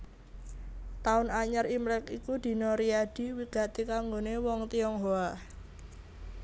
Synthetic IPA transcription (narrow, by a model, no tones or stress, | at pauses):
t̪aʊnaɲərimlɛkikud̪̥i̤nɔɾiad̥i̤wiɡ̥a̤t̪ikaŋɡonewɔŋt̪iɔŋɦoa